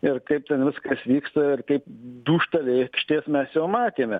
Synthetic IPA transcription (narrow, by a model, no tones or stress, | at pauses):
ɪɾkɐɪp̚t̪ʲɛnʋʲɪskɐsʋʲiːkst̪ɐɪɾkɐɪpd̪uːʃt̪ɐlʲɛɪkʃʲt̪ʲeːsmʲɛsjɛʊːmɑːt̪ʲeːmʲɛ